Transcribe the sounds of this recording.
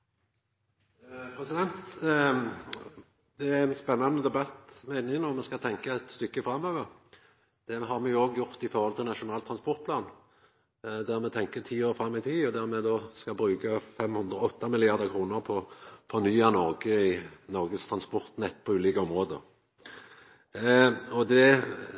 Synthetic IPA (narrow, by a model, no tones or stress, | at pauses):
pʰʁɛsɪd̪ɛnt̪ | d̪̥ɛæɛnspɛnːɑnəd̪ɛbɑt̪meɪnɪŋnɔmːɛskɑt̪ʰɛŋkəɛt̪st̪ʏkːəfɾɑmøːʋəʁ | d̪̥ɛɦɑʁmɛjʊoːɡjʊʁt̪ɪfɔːʁhɔlt̪ʰɪlnɑʂʊnɑːlt̪ʰɾʁɑnspɔʁt̪̚pʰlɑːn | d̪æʁmɛt̪ʰɛŋkət̪ʰiːoːʁfɾɑmːɪt̪ʰiːɔd̪æʁmɛd̪oskɑbɾʉːkəfɛmhʉnd̪ʁəɔt̪ːɑmɪlɪɑʁd̪əʁkʰʁuːnəʁpʰɔfɔʁnyːɑnɔʁɡəɪnɔʁɡəst̪ʰɾɑnspɔʁt̪nɛt̪ːpʰɔʉːliːkəɔmʁoːd̪ə̰ | ɔd̪ɛ